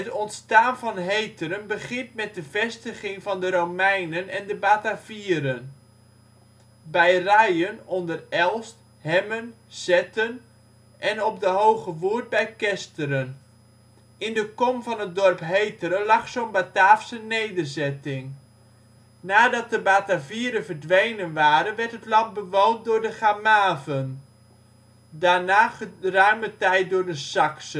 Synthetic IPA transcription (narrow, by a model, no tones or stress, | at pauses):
ətɔntstaːnvɑnɦejtəɾənbəχɪntmɛt̚dəvɛstəχɪŋvɑndəɾowmɛjnənɛndəbaːtaviːəɾən | bɛjrɛjənɔndərɛlˠst | hɛmən | z̥ɛtən | ʔɛnɔp̚dəɦowχəʋuːt̚bɛjkɛstəɾən | ɪndəkɔmvɑnɦət̚dɔrpɦejtəɾəlɑχsonbataːfsənejdərzɛtɪŋ | naːdɑt̚dəbaːtaviːəɾəvərdʋejnənʋaːɾənʋɛɹtɦətlɑnt̚bəʋowndʊːɹdəχamaːvən | daːɹnaːərœɥmətɛjt̚dʊːɹdəsɑksə